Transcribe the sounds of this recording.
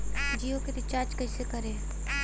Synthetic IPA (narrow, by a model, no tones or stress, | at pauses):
d͡ʒiːoked̪ɪt͡ʃaːɾd͡ʒkɛɪsekəɾẽː